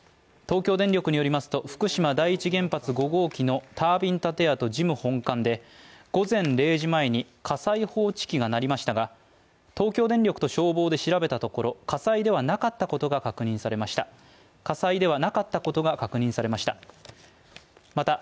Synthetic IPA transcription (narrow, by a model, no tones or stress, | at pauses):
t̪o̞ːkʲoːd̪ẽ̞nɾʲo̞kɯ̟ɲ̟ijo̞ɾʲimasɨ̥t̪o̞ɸɯ̟̥kɯ̟ɕimad̪aiːt͡ɕiɡẽ̞mpat͡sɨɡo̞ɡo̞ːkʲino̞t̪ʰaːbʲĩnt̪at̪e̞at̪o̞ʑimɯ̟hõ̞ŋkãnd̪e̞ɡ̥o̞zẽ̞nɾe̞ːʑimae̞ɲ̟ikʰasaiho̞ːt͡ɕi̥kʲiɡanaɾʲimaɕi̥t̪aɡa | t̪o̞ːkʲo̞ːd̪ẽnɾʲo̞kɯ̟t̪oɕo̞ːbo̞ːd̪e̞ɕiɾabe̞t̪at̪o̞ko̞ɾo̞kasaid̪e̞βanakat̪ːako̞t̪o̞ɡakakɯ̟ɲ̟ĩɰ̃saɾe̞maɕi̥t̪a | kasaid̪e̞β̞anakat̪ːako̞t̪o̞ɡakakɯ̟ɲ̟ĩsaɾe̞maɕi̥t̪a̰ | mat̪a